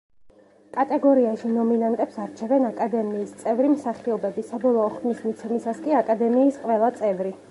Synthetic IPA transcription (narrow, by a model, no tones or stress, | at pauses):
kʼat̪ʼɛɡɔɾiaʃinɔminant̪ʼɛpsaɾt͡ʃʰɛvɛnakʼad̪ɛmiːst̪sʼɛvɾimsaχiɔbɛbisabɔlˠɔɔχd̪nismit̪sʰɛmisaskʼiakʼad̪ɛmiːsqʼvɛlˠat̪sʼɛvɾi